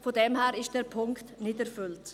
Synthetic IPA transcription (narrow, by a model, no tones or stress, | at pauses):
fodɛmhɛːɾɪʃtd̥ɛːɾpʰʊŋktnɪdɛɾfʏlt